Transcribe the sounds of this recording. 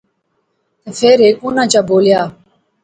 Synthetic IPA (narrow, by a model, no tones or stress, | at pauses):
t̪eːfʰeːɾeːkõːnãːt͡ʃaːboːljaː